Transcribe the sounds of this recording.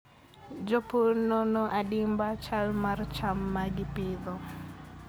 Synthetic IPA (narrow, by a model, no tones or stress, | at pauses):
d͡ʒɔpuɾnonɔʔadɪmbat͡ʃalmaɾt͡ʃamːaɡɪpɪðɔ